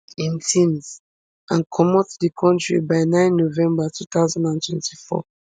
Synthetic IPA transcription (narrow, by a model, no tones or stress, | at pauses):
ĩntʰĩnz | ʔãnkʰɔmɔtdikʰɔ̃ntɹḭbaɪnãɪ̃nːovɛ̃mbatʰut̪aʊzãndãntʰwɛ̰̃ntifɔ̰